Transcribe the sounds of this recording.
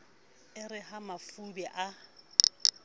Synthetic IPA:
ɪrɪhamafubɛʔa

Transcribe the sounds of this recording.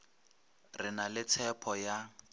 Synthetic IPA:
rɪnalɪt͡sʰɛpʰɔja

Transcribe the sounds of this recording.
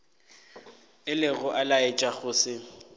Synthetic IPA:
ɪlɪɣʊʔalaɪt͡ʃʼaɣʊːsɪ

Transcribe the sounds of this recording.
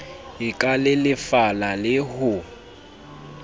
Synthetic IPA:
ɪkʼalɪlɪfalalɪhʊ

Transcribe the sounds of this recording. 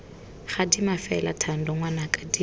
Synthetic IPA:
χadimafɛla̰tʰan̩dɔŋwanakʼadi

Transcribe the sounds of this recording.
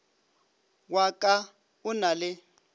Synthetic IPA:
wakʼa | ʊnalɪ

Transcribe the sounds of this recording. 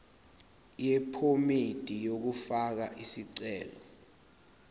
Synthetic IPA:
jɛpʰomed̥ʱijok̬ufak̬a̰ʔisiǀɛːlɔ

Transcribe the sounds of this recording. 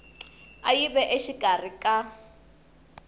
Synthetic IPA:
ajibɛʔeʃikʼarikʼa

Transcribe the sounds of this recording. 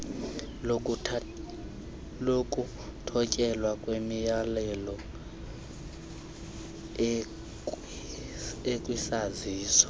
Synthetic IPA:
lokʼu | tʰɔcʼɛlwakʼwemijalɛlɔ | ekʼwisaziːsɔ̥

